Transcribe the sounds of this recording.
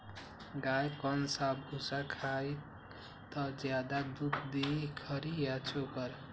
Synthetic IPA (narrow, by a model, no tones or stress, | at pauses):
ɡajkʌnsabʱusakʰaj | t̪ʌd͡ʒjad̪ad̪ut̪d̪ekʰʌɾijat͡ʃʰokʌɾ